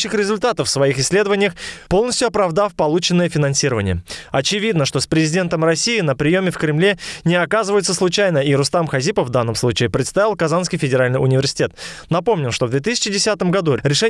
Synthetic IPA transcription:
ɕːɪxɾʲɪzʊlʲt̪at̪əffsvɐixɪsʲːlʲed̪əvənʲɪjəxpo̞lˠnəsʲtʲjʊɐpɾɐvd̪afpɐlˠut͡ɕɪnːəjəfʲɪnɐnsʲiɾəvənʲɪjə̰ɐt͡ɕɪvʲid̪nəʂt̪ospɾʲɪzʲɪdʲe̞nt̪əmrɐsʲijɪnəpɾʲɪjomʲɪfkɾʲɪmlʲe̞nʲɪɐkazɨvəjɪt̪səslˠʊt͡ɕajnəiɾʊst̪amxɐzʲipəfvd̪anːəmslˠut͡ɕɪɪpɾʲɪt̪st̪avʲɪlˠkɐzanskʲɪjfʲɪdʲɪɾalʲnɨjʊnʲɪvʲɪrsʲɪ̥tʲe̞t̪nɐpo̞mnʲɪlˠʂt̪o̞vd̪vʲet̪ɨsʲɪ̥t͡ɕɪdʲɪsʲat̪əmɡɐd̪uɾʲɪʂɛ

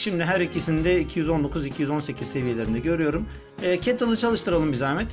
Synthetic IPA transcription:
ʃimd̪iɦæɾicʰisind̪ɛicʰijyzo̞nd̪o̞kʰuzicʰijyzo̞nse̞cʰiz̥se̞vije̞lʲe̞ɾind̪ɛɟø̞ɾyjo̞ɾumː | cʰɛt̪ʰalˠɯt͡ʃʰalˠɯʃt̪ʰɯɾalˠɯmbizamɛt̪

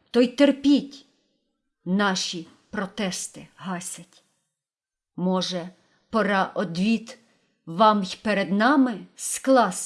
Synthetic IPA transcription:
t̪ɔjt̪erpʲitʲ | nɑʃʲi | pɾɔt̪ɛst̪ɪɦɑsʲɐtʲ | mɔʒɛ | pɔɾɑʔɔd̪ʋʲit̪ | ʋɑmjʲpeɾed̪nɑmɪsklˠɑs

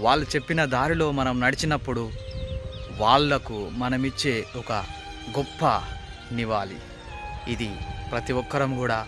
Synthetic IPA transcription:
ʋaːɭːut͡ʃe̞pːinɐd̪aːɾilo̞ːmɐnɐmnɐɽit͡ʃinɐpːuɽu | ʋaːɭːɐkumɐnɐmit͡ʃːe̞ːɔkɐ | ɡɔpːɐ | niʋaːlḭ | id̪ipɾɐt̪iʋɔkːɐɾɐmkuːɽaː

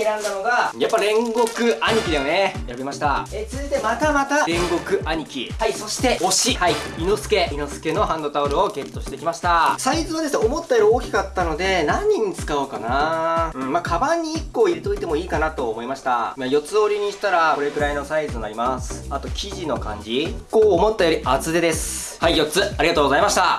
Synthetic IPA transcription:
eɾãnd̪ano̞ɡajapːaɾẽ̞ŋɡo̞kɯ̟aɲ̟ikʲid̪ajone̞jabemaɕi̥t̪a̰et͡sɨzɨit̪e̞mat̪amat̪aɾẽ̞ŋɡo̞kɯ̟ʔaɲ̟ikʲḭhaiso̞ɕi̥t̪e̞o̞ɕihaiino̞sɨ̥ke̞ʔino̞sɨ̥ke̞no̞ɦãnd̪o̞t̪aoɾɯoɡe̞t̪ːo̞ɕi̥t̪ekʲimaɕi̥t̪asaizɨod̪e̞sɨneomo̞t̪ːaeɾɯoːkʲi̥kat̪ːano̞d̪e̞nãɲ̟ːĩɲ̟ːit͡sɨ̥kaokanaɯ̟̃ɴmakʰabãɲ̟ːiːkːo̞ːiɾe̞t̪o̞it̪e̞mo̞iːkanat̪o̞ːmo̞imaɕi̥t̪aimajo̞t͡sɨo̞ɾʲiɲ̟iɕi̥t̪aɾako̞ɾe̞kɯ̟ɾaino̞saizɨnonaɾʲimasɨ̥at̪o̞kʲʰiʑino̞kã̰ɲ̟d͡ʑikoːmo̞t̪ːajo̞ɾʲiʔat͡sɨd̪ed̪e̞sɨ̥ | haijo̞t͡sɨaɾiɡat̪oːɡozaimaɕi̥t̪a

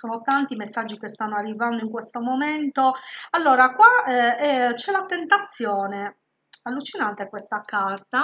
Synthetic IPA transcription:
sɔːnot̪ant̪imesːad͡ʒːikest̪anːoarːivand̪oiŋkwest̪omoment̪oalːɔːɾakwaɛɛt͡ʃɛlat̪ent̪at̪sːjɔːne | alːut͡ʃinant̪ekwest̪akart̪a

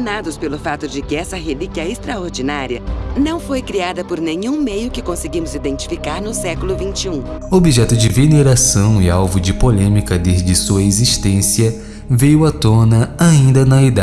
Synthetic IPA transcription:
nad̪ʊspelʊfat̪ʊd͡ʒɪkɪɛsɐɦelikiɐest̪ɾaoɾd͡ʒinaɾiɐnɐ̃w̃fojkɾiad̪ɐpʊɾnẽɲũmejʊkɪkõsɪɡimʊzid̪ẽnt͡ʃi̥fikaɾnʊsɛkʊlʊvĩnt͡ʃiũ | obiʒɛt̪ʊd͡ʒɪveneɾasɐ̃w̃ɪawvʊd͡ʒɪpolẽmikɐd̪ezd͡ʒɪsuɐeziʃt̪ẽsiɐ | vejʊɐt̪õnɐaĩnd̪ɐnɐid̪a

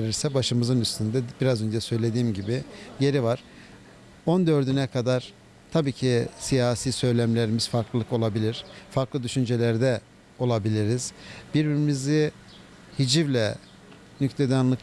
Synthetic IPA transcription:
eɾiɾsɛbaʃɯmɯzɯnyst̪ʰynd̪ɛbiɾazø̞nd͡ʒɛsø̞jlʲe̞d̪iːmɟibɪje̞ɾivaɾ̥ | o̞nd̪ø̞ɾd̪ynɛkʰad̪aɾ̥ | t̪ʰabiːcʰisijaːsiːsø̞jlʲæmlʲe̞ɾimiz̥faɾklˠɯlˠɯko̞lˠabilʲiɾ̥faɾklˠɯd̪yʃynd͡ʒe̞lʲæɾd̪ɛ | o̞lˠabilʲiɾiz̥biɾbiɾimiziɪ | hid͡ʒivlʲɛ | nyct̪ʰe̞d̪anlˠɯk

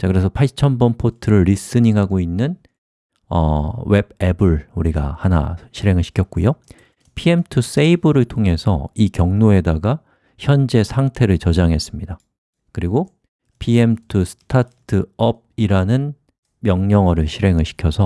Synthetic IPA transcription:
t͡ɕakɯɾe̞sʰʌpʰaɭt͡ɕʰʌnbʌnpʰotʰɯɾɯɭːis͈ɯɲiŋɦaɡoinːɯn | ʌ̰we̞bebɯɭuɾiɡa̰hana̰ɕʰiɾe̞ŋɯɭɕʰi̥kʰjʌt̚k͈ujo | pʰie̞mtʰus͈eibɯɾɯɭtʰoŋe̞sʰʌ̰ikjʌŋnoe̞daɡa | çjʌnd͡ʑe̞sʰaŋtʰe̞ɾɯɭt͡ɕʌd͡ʑaŋɦe̞s͈ɯmɲida | kɯɾiɡo | pʰiemtʰusʰɯ̥tʰatʰɯʌb̚iɾanɯn | mjʌŋɲʌŋʌɾɯɭɕʰiɾe̞ŋɯɭɕʰi̥kʰjʌsʰʌ

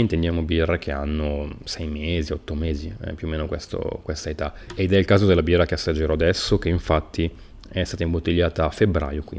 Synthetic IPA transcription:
int̪end̪jaːmobirːekʰea̰nːosɛjmeːziɔt̪ːomeːzipjuoːmeːnokwest̪o̰kwest̪aet̪a | ed̪ɛilkaːzod̪elːabirːakeasːad͡ʒeɾɔad̪ɛsːok̟eiɱfat̪ːi | ɛst̪aːt̪aimbot̪ːiʎːaːt̪aafːebɾa̰ːjokwḭ

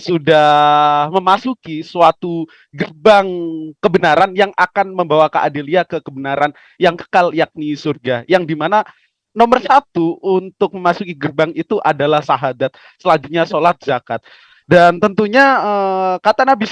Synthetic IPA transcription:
sudahməmasukisuat̪u | ɡərbaŋkəbənaɾanjaŋʔakanməmbawakaʔa̰diliakəkəbənaɾan | jaŋkə̥kaljak̚nisurɡajaŋdimana | nomərsat̪uʔunt̪ʊk̚məmasukiɡərbaŋit̪uʔadalahsaɦadat̪̚ | səlad͡ʒuɲasolat̪̚d͡ʒakat̪̚ | dant̪ənt̪uɲaəkat̪anabi

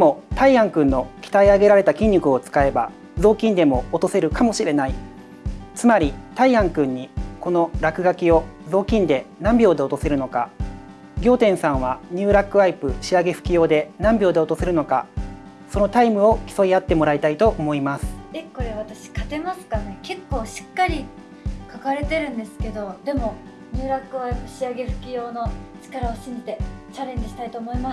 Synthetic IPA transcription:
d̪mo̞t̪aiãŋkɯ̟̃nːo̞kʲi̥t̪aiaɡe̞ɾaɾe̞t̪akʲĩɲ̟ːɯkɯ̟o̞t͡sɨ̥kae̞ba̰ | zo̞ːkʲĩnd̪e̞mo̞ːt̪o̞se̞ɾɯ̟kamo̞ɕiɾe̞nai | t͡sɨmaɾʲit̪aiãŋkɯ̟̃ɲ̟ːiko̞no̞ɾakɯ̟ɡakʲio̞zo̞ːkʲĩnd̪e̞nãmbʲo̞ːd̪e̞o̞t̪o̞se̞ɾɯ̟no̞ka | ɡʲo̞ːt̪ẽɰ̃sãɰ̃βaɲ̟ɨːɾakːɯ̟aipɯ̟ɕiaɡe̞ɸɯ̟̥kʲijo̞ːd̪e̞nãmbʲo̞ːd̪e̞o̞t̪o̞seɾɯ̟no̞ka̰ | sono̞t̪aimɯ̟o̞kʲi̥so̞iat̪ːe̞mo̞ɾait̪ait̪o̞ʔomo̞imasɨ̥e̞ko̞ɾe̞βat̪aɕi̥kat̪e̞masɨ̥kane̞ke̞kːo̞ːɕi̥kːaɾʲi | kakaɾe̞t̪e̞ɾɯ̟̃nd̪e̞sɨ̥ke̞d̪o̞d̪e̞mo̞ | ɲ̟ɨːɾakːɯβaipɯ̟ɕiaɡe̞ɸɯ̟̥kʲijo̞ːno̞t͡ɕi̥kaɾaoɕĩɲ̟d͡ʑit̪e̞t͡ɕaɾẽ̞ɲ̟d͡ʑiɕi̥t̪ait̪o̞ːmo̞imas

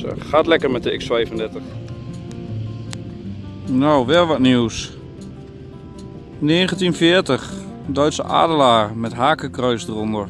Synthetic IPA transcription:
ə̰xaːtlɛkərmɛt̚dəɪksfɛjvəndɛtəx | nowʋɛlˠʋɔtniws | neːɣəntinfɪːəɹtəxdœɥtsə̰ʔa̰ːdəlaːrmɛtɦaːkəkrœɥsdərondər

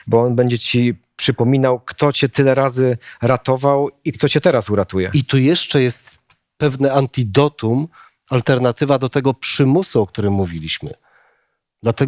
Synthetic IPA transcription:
bɔɔnbɛɲd͡ʑɛt͡ɕipʂɘpɔmʲinawkt̪ɔt͡ɕɛt̪ɘlɛɾazɘɾat̪ɔvawikt̪ɔt͡ɕɛt̪ɛɾasuɾat̪ujɛ̰it̪ujɛʂt͡ʂɛjɛst̪ | pɛvnɛant̪ʲid̪ɔt̪um | alt̪ɛɾnat̪ɘvad̪ɔt̪ɛɡɔpʂɘmusuɔk̚t̪uɾɘmːuvʲilʲiɕmɘ̰ | d̪lat̪ɛ

